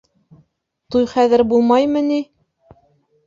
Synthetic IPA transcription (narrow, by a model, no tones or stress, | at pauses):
t̪ujχæðɘ̆ɾbulˠmɑjmɤ̆ni